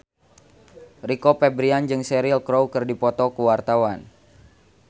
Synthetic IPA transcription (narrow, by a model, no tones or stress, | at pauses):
rikɔpɛbɾiand͡ʒɨŋsɛɾilkɾowkɨrdipɔt̪ɔkuwart̪awan